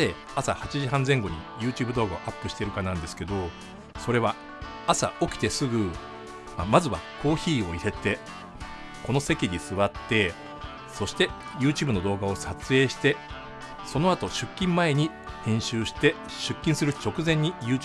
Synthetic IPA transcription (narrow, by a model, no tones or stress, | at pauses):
e | asahat͡ɕiʑiɦãnzẽ̞ŋɡo̞ɲ̟ijɯ̟ːt͡ɕɨːbɯ̟d̪o̞ːɡao̞ʔapːɯ̟ɕi̥t̪e̞ɾɯ̟kanãnd̪e̞sɨ̥ke̞d̪o̞ | so̞ɾe̞β̞a | asa̰o̞kʲi̥t̪e̞sɨɡɯ̟ | mamazɨβa̰kʰo̞ːçiːo̞ise̞t̪e̞ | ko̞no̞se̞kʲiɲ̟isɨβat̪ːe̞ | so̞ɕi̥t̪e̞ | jɯ̟ːt͡ɕɨːbɯ̟no̞d̪o̞ːɡao̞sat͡sɨe̞ːɕi̥t̪e̞ | so̞no̞at̪o̞ɕɨkʲːĩmːae̞ɲ̟i | hẽ̞ɰ̃ɕɨːɕi̥t̪e̞ | ɕɨkʲːĩɰ̃sɨɾɯ̟t͡ɕo̞kɯ̟zẽ̞ɲ̟ːijɯ̟ː